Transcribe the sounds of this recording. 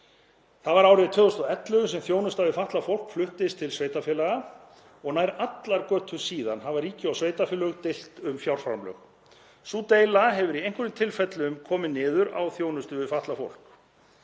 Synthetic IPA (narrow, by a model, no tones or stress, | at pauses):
θavaɾaːwɾɪɪt̪ʰvœːðɔst̪ɔɛt̪lœɣʏs̬ɛmθjoːwnʏst̪avɪfaht̪lafowl̥kflʏht̪ɪst̪ʰɪlsveːjt̪afjɛlaɣa | ɔɣnaːjɾat̪laɾkœːt̪ʰʏsiːða̰nɦavaɾiːcɪawsveːjt̪afɛlœɣt̪ɪl̥t̪ʏmfjawɾ̥fɾa̰mlœ̰ɣ | suːt̪ejlaɦɛvʏɾiejŋ̥kʏɾʏmt̪ʰɪlfɛt̪lʏʏmkʰɔːmɪnːɪːðʏɾa̰wθjoːwnʏst̪ʏvɪfaht̪lafo̰wl̥k